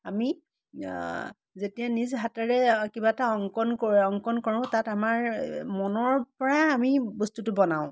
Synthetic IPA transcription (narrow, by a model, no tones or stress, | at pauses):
ami | zetijanizɦataɹɛkibataɔŋkɔnkoɔŋkɔnkoɹʊ̃tatamaɹmɔnɔɹpɔɹaːmibɔstutʊbɔnaʊ̃